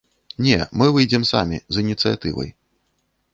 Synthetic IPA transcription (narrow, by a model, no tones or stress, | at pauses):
nʲɛmɨvɨjd͡zʲɛmsa̰mʲḭzinʲit̪sɨja̰t̪ɨvɐ̰j